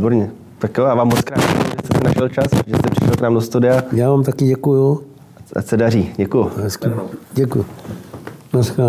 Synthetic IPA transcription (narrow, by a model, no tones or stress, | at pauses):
iboɾɲɛ | t̪akjojaːvaːmːot͡skɾaːd̪ɛ̰kbɪst̪ɛsɛnaʃɛlt͡ʃasʒɛst̪ɛprɪʃɛlknaːmdost̪udɪajaːvaːmt̪akɪɟɛkuju | a̰sɛdariːɟɛkujuɦɛskiɟɛkuj | naska